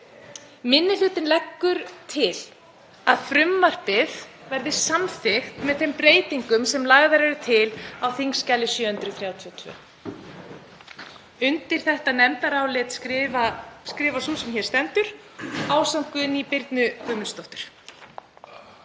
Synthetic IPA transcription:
mɪnːɪlʏːt̪ɪnlɛkːʏɾt̪ʰɪl | aðfɾʏmːar̥pɪθ | vɛɾðɪsamfɪxt̪mɛðθejmpɾeːjt̪iŋkʏmsɛmlaɣðaɾɛɾʏt̪ʰɪlawθiŋscaːlɪsjœːhʏnt̪ɾʏθɾjaːwt̪ʰiat̪ʰvœ̰ː | ʏnt̪ɪɾ̥θɛht̪anɛmt̪aɾawlɪt̪svaskɾɪːvasusɛmçɛɾ̥st̪ɛnt̪ʏɾ̥ | aːwsawŋ̥kʏnipɪɾt̪nʏpʏmʏst̪ɔht̪ʏɾ̥

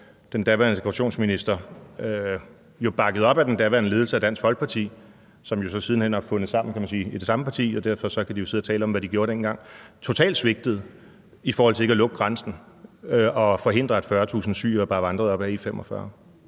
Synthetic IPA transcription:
d̥end̥æʋæɐent͡sʰeɡ̥ʁɑ̈ɕo̝̰ːnsminisd̥ɐ | jo̝b̥ɑ̈ɡ̥əð̩ˠɒ̽b̥æd̥end̥æɐʋæɐnle̝ːð̞ˠl̩səæd̥æn̰sɡ̥hɒ̽lɡ̥̚pʰɑ̈t͡sʰḭː | sɒ̽mjo̝sɒ̽sið̞ˠn̩henhɑ̈fɔ̽nð̩ˠsɑ̈m̰n̩kʰæmænsiːid̥e̝sɑ̈məpʰɑ̈t͡sʰḭːɒ̽d̥æɐ̰fɒ̽sɒ̽kʰædijo̝se̝ð̰ˠɐt͡sʰɛːləɒ̽mʋæd̥iɡ̥jo̝ːɐd̥en̰ɡ̥ɑ̈ŋ̰t͡sʰo̝t͡sʰɛ̰ːld̥sʋe̝ɡ̥̚d̥əð̞̩ˠ | ifɔːhɒl̰t͡sʰe̝e̝ɡ̥ælɔ̽ɡ̥əɡ̥ʁɑnsn̩ | øɒ̽fɒ̽ɦe̝n̰d̥ʁɐæd̥fɶɐt͡sʰṵːsn̩sy̰ːɐb̥ɑ̈ːʋɑ̈nd̥ʁɐð̞̩ˠɒ̽b̥æifemɒ̽fɶɐ

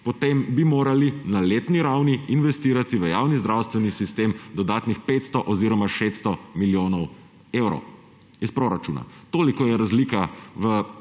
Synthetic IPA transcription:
pɔt̪embimoːɾalinaleːt̪niɾawniːnʋɛst̪iːɾat̪iʋəja̰ːwnizd̪ɾawst̪ʋɛnisist̪eːmd̪ɔd̪aːt̪nixpet̪st̪ɔʔɔziːɾɔmaʃet̪st̪ɔmiljoːnɔw | eːwɾɔ̰w | ispɾoɾat͡ʃuːna̰t̪oːlikɔjɛɾazliːkaʋə

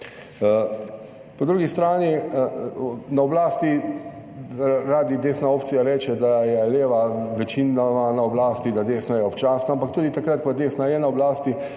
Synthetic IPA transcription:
pɔd̪ɾuːɡist̪ɾaːni | naɔblaːst̪i | ɾaːd̪id̪eːsnaoːpt̪sijaɾɛːt͡ʃɛd̪ajɛleːʋaʋɛt͡ʃinmanaɔblaːst̪id̪ad̪eːsnajɛɔpt͡ʃaːsnaampakt̪uːd̪it̪akɾat̪̚kɔd̪eːsnajɛnaɔblaːst̪i

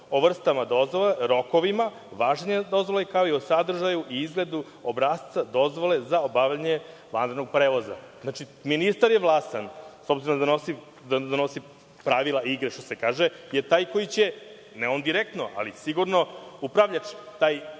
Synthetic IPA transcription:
o̞ʋr̩st̪amad̪ozoleɾo̞ko̞ʋima | ʋaʒɲad̪o̞zʋo̞lekao̞iosad̪r̩ʒajuʔiizɡle̞d̪u | obɾaːsit̪ad̪o̞zʋo̞le̞zaobaʋʎaɲe̞ | ʋand̪ɾd̪noɡ̚pɾeːʋo̞za̰znat͡ʃi | minist̪aɾjeʋlˠaːst̪ansobziɾomd̪anosi | d̪ad̪no̞si | pɾaʋilˠaiɡɾeʃt̪osekaːʒejeɾt̪aːjkojit͡ɕe | nɛond̪iɾek̚t̪noʔa̰lisiɡuɾno̞upɾaʋʎat͡ʃt̪aːj

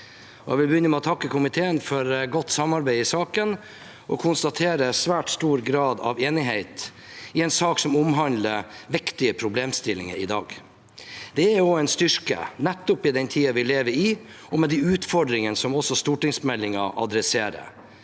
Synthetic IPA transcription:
ɔjɛɪʋɪlbəjʏnːəmɛɔt̪ʰɑkːəkʰʊmɪt̪ʰeːənfɔɾɡɔt̪ːsɑmɑɾbæɪɪsɑːkən | ʔɔkʰʊnst̪ɑt̪ʰeːɾəsʋæːʈst̪uːɾɡɾɑːd̪ɑ̰ʋeːnɪɦeɪt̪ | ɪɛnsɑːksɔmʊmɦɑnd̪ləʋɪkt̪ɪəpʰɾʊbleːmst̪ɪlːɪŋəɾɪ̰d̪ɑ̰ːɡ | d̪̥ɛɛɾjʊɛɪnst̪ʏɾkə̰nɛt̪ːʊpɪd̪ɛnt̪ʰiːɑʋɪleːʋəɪ | ɔmɛd̪iʉːt̪fɔɖɾɪŋənsɔmɔsɔst̪uːʈɪŋsmɛlːɪŋɑ̰ʔɑ̰d̪ɾɛseːɾə̰

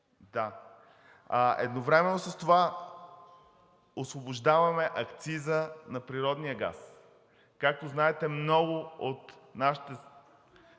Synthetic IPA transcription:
d̪a | aɛ̰d̪novɾɛmɛnːosɐst̪ova | osvobʊʒd̪avɐmɛʔɐkt̪sizənɐpɾiɾɔd̪nijəɡa̰s | kak̚t̪oznaɛt̪ɛmnɔɡʊot̪ | naʃi̥t̪ɛ

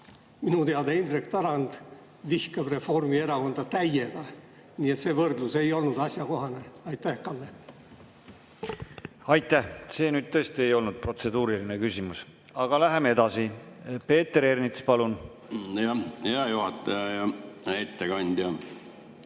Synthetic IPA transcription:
minut̪e̞ɑd̪eind̪ɾekt̪ɑɾɑnd̪̥ | vihkɑb̥re̞fo̞rmie̞ɾɑko̞nd̪̥ɑt̪æje̞ɡ̥ɑ | niːe̞t̪se̞ːvɤrd̪luse̞jo̞lnud̪̥ɑsʲjɑko̞ɦɑne̞ɑjt̪æhkɑlːe | ɑjt̪ːˑæhse̞ːnyd̪̥̚t̪ɤ̞est̪ie̞jo̞lnud̪̥̚pro̞t̪se̞d̪uːɾiline̞kysʲimus | ɑɡ̥ɑlæɦe̞mee̞d̪ɑsipe̞ːt̪ːeɾernit̪spɑlun | jɑheɑjuhɑt̪ːˑɑjɑjɑet̪ːeɡɑnʲd̪̥jɑ

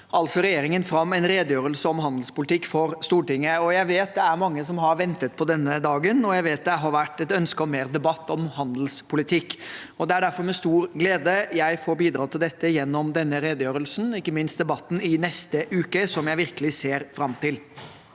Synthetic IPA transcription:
ʔɑlt̪sɔɾɛjeːɾɪŋənfɾɑmːɛɪnɾeːd̪əjøːɾəlsəɔmɦɑnd̪l̩spʊlɪt̪ɪkːfɔɾst̪uːʈɪŋːəɔjæɪʋeːt̪̚d̪ɛæɾmɑŋːəsɔmɦɑɾʋɛnt̪ət̪pʰɔd̪ɛnːəd̪ɑːɡənɔjæɪʋeːt̪̚d̪ɛɦɑɾʋæʈːɛt̪œnskəɔmeːɾd̪ɛbɑt̪ːɔmhɑnd̪l̩spʰʊlɪt̪ʰɪkː | ɔd̪ɛæɖæɾfɔɾmɛst̪uːɾɡleːd̪əjæɪfoːɾbiːd̪ɾɑːt̪ɪld̪ɛt̪ːəjɛnːɔmd̪ɛnːəɾeːd̪əjøːɾəlsn̩ɪkːəmɪnst̪̚d̪ɛbɑt̪ːn̩ɪnɛst̪əʔʉːkəsɔmjæɪʋɪɾkəlɪseːɾfɾɑmːt̪ɪl

